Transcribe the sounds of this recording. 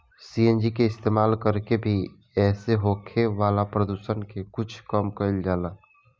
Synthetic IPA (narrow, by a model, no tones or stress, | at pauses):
siːend͡ʒikeɪst̪eːmaːlkəɾkebʱi | ɛːseɦoːkʰeʋaːlapɾəd̪uːsənkekʊt͡ʃʰkəmkəɪld͡ʒaːlaː